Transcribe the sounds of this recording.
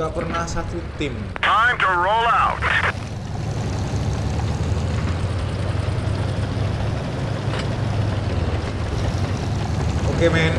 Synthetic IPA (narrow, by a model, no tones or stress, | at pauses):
apərnasat̪ut̪ɪm | tʰaɪmtuɹolawt | ʔokemɛn